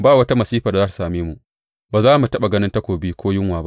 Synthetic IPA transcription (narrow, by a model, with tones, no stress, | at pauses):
baː˦˨wɐ˦ta˦mɐ˨siː˦ɸa˨da˨zaː˦su̥˨saː˨meː˦mu˨ʔ | baː˨zaː˦mu˨tɐ˦ɓa˨ɡɐ˦nɪ˦ntɐ˦kʷoː˨biː˦kʷoː˦jɪ˦ŋwaː˨ba˦ʔ